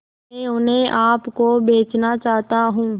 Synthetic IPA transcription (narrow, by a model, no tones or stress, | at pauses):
ẽːʊnɦẽːʔaːpkoːbeːt͡ʃnaːt͡ʃaːɦt̪aːɦũː